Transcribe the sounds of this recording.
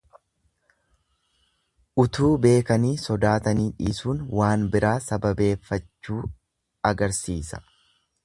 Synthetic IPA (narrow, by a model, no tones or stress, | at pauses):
ʔʊt̪uːbe̞ːkɐniːsɔd̪aːt̪ɐniːᶑḭːsuːnwaːnbɪɾʔaːsɐbɐbe̞ːfːɐt͡ʃːuː | ɐɡɐɾsiːsɐ̥